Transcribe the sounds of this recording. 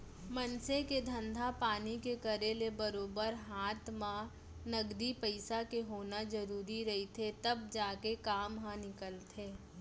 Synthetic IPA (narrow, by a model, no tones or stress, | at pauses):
mɐnseked̪ʱə̃nd̪ʱapaːnikekɐɾelebɐɾoːbəɾɦaːt̪mã | nɐɡd̪ipəɪsakeɦoːnad͡ʒɐɾuːɾiɾɐɦit̪ʰet̪ɐbd͡ʒaːkekaːmɦãnɪkəlt̪ʰeː